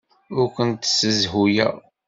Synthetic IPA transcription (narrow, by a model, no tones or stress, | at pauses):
ʊɾkʷənt̪səzɦujæ̰